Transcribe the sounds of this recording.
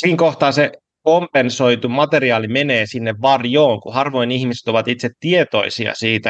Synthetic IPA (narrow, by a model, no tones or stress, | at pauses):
siːŋkoht̪ɑːse | kompensoit̪umɑt̪eriɑːlimeneːsinːeʋʋɑrjoːŋkuhɑrʋoinihmise̥t̪oʋɑt̪it̪set̪t̪iet̪o̞̰isiɑ̰siːt̪æ